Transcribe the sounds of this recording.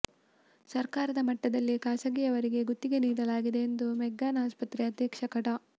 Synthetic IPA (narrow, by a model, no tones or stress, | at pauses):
sɐɾkaːɾɐd̪ɐmɐʈːɐd̪ɐlːikaːsɐɡijɐʋɐɾiɡe̞ɡut̪ːiɡe̞niːɽɐlaːɡid̪e̞ːnd̪umɛɡːaːnaːspɐt̪ɾeɐd̪jɛːkʂɐkɐʈɐ